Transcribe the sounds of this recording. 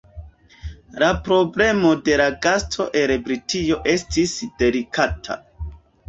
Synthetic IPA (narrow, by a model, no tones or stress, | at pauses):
lapɾo̞ble̞mo̞de̞laɡastʰo̞ʔe̞lbɾitʰijo̞ʔe̞stisd̥e̞ɾikʰatʰa̰